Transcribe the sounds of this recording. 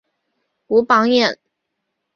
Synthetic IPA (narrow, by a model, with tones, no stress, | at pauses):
u˧˥pɑ˧˥ŋjɛ˥˩n